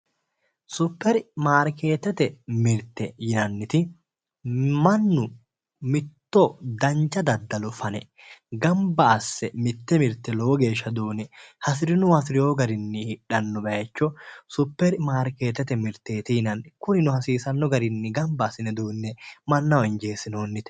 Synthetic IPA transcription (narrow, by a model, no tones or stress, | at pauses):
sʊpːɛɾmaːɾkeːt̪ːɛt̪ɛmɪɾt̪ːɛjɪnɐnːɪt̪ɪ | mɐnːʊ | mɪt̪ːɔd̪ɐnt͡ʃːɐd̪ɐd̪ːɐlʊfɐnɛ | ɡɐmbɐːsːɛmɪt̪ːɛmɪɾt̪ːɛlɔwɔɡe̞ːʃːɐd̪uːnɛhɐsɪɾɪnʊwɐsɪɾɪjoːɡɐɾɪnːɪhɪᶑɐnːɔbɐjɐt͡ʃːɔsʊpːɛɾmaːɾke̞ːt̪ːɛt̪ɛmɪɾt̪ːeːt̪ɪjɪnɐnkʊnɪnʊhɐsiːsɐnːɔɡɐɾɪnːɪɡɐmbɐːsɪnɛd̪uːnːɛmɐnːɐwɔɪnd͡ʒe̞ːsːɪno̞ːnːɪt̪